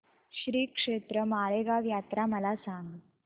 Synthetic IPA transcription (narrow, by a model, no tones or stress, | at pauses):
ɕɾiːkʂet̪ɾəmaːɭeɡaʋjat̪ɾaməlasaŋɡ